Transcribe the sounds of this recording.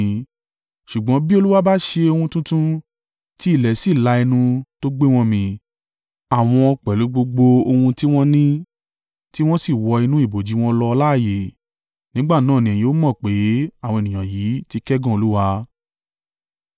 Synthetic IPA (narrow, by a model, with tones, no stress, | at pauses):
ʃu˨ɡ͡bɔ̃˨˦bi˦o˧lu˦wa˦ba˦ʃe˧o˧hũ˧tũ˦tũ˦ | ti˦i˦˨lɛ˨si˨la˧ɛ˧nũ˧to˦ɡ͡be˦w̃ɔ̃˧mĩ˧ | a˨w̃ɔ̃˧ɔ˧k͡pɛ˨lu˨˦ɡ͡bo˧ɡ͡bo˧o˧hũ˧ti˦w̃ɔ̃˦nĩ˦ | ti˦w̃ɔ̃˦si˦˨wɔ˧i˧nũ˦i˦˨bo˨d͡ʒi˨˦w̃ɔ̃˧lɔ˧la˦˨je˨ | nĩ˨˦ɡ͡ba˦˨nãː˦˨nĩ˨ɛ˨jĩ˨˦o˨˦mɔ̃˦˨k͡pe˨˦a˦˨wɔ̃˧e˨nĩ˨ã˨jiː˨˦ti˧kɛ˦ɡã˦˨o˧lu˦wa˧